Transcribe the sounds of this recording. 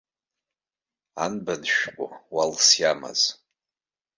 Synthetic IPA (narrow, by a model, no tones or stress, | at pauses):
anbanʃᶣqʷʼʊ̰walsjama̰z̥